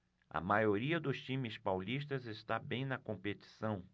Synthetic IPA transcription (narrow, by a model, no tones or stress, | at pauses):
ɐ̰majoɾiɐd̪ʊst͡ʃĩmɪspawlist̪ɐzest̪abẽj̃nɐkõmpet͡ʃ̪i̥sɐ̃w̃